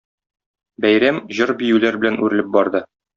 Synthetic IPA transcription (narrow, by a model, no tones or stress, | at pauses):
bæjɾæmʑɤɾbijʉlæɾbɘlænʉɾɘ̆lɘp̚bɒɾd̪ɤ